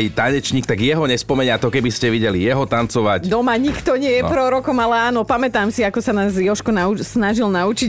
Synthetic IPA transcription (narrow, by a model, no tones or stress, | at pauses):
jt̪aɲɛt͡ʃɲiːkt̪aɡjɛɦɔɲɛspɔmɛɲɪat̪ɔkɛbiscɛʋiɟɛlijɛɦɔt̪ant͡sɔʋacd̪ɔmaɲikt̪ɔɲɪɛjɛpɾɔɾɔkɔmalɛaːnɔpamɛt̪aːmsiakɔsanaːzjɔʃkɔnausnaʒilnaut͡ʃi